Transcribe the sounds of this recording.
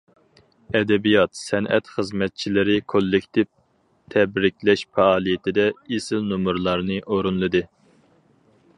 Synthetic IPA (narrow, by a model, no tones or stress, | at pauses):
ɛd̪ɛbijɑt̪sɛnʔɛ̰t̪χəzmɛt̪̚t͡ʃʰilɪɾɪkʰolːɪkʲt̪ʰɪv | t̪ʰɛbɾɪkʲlɛʃfɛɑːlˠijɪt̪ʰɪd̪ɛesɪlnumuɾlˠɑɾnɨʔoɾunlˠɨd̪ɨ